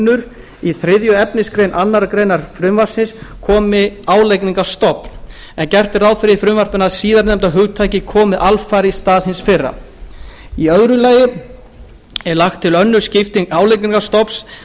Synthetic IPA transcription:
nːʏɾ | iθɾɪðjʏɛpnɪskɾejnʔanːaɾakɾejnaɾ̥fɾʏmvar̥sɪnskʰɔːmɪaːwlejkniŋkast̪ɔpn | ɛncɛr̥t̪ɪɾaːwðfɪɾɪifɾʏmvar̥pʏnaðsiːðaɾnɛmt̪aɦʏɣt̪ʰaːjcɪkʰɔːmɪʔalfajɾist̪aːðhɪnsfɪrːa̰ | iœɣɾʏlaːjɪ | ɛɾlaxt̪ʰːɪlœnːʏ̥scɪft̪iŋaːwlejkniŋkast̪ɔps

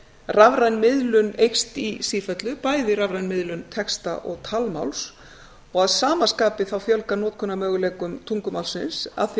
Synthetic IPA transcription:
ravɾajnmɪðlʏnejxst̪isiːfœt̪lʏpaːjðɪɾavɾajnmɪðlʏnt̪ʰɛkst̪a̰ʔɔɣt̪ʰalma̰wls | ɔɣaðsaːmaskaːpɪθawfjœlkanɔːt̪̚kʰɔnːamœːɣʏleːkʏmt̪ʰuŋkʏmalsɪnsa̰ðθ

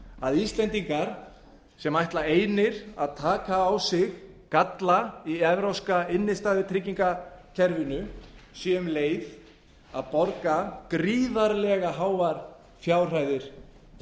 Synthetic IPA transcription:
aðist̪lɛnt̪iŋkaɾ̥ | sɛmajht̪laeːjnɪɾ̥aðt̪ʰaːkaːwsɪɣ | kat̪laiɛvɾawskaɪnːɪst̪aːðvɪt̪ʰɾɪcːiŋkacʰɛɾvɪnʏsjɛmleːjð | aðpɔɾkakɾiːðaɾlɛɣaɦaːwvaɾ̥ | fjaːwr̥ajðɪɾ̥

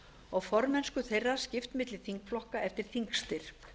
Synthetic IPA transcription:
ɔɣfɔɾmɛnskʏθejrːascɪft̪mɪt̪lɪ̥θiŋkflɔhkaʔɛft̪ɪɾ̥θiŋkst̪ɪɾ̥

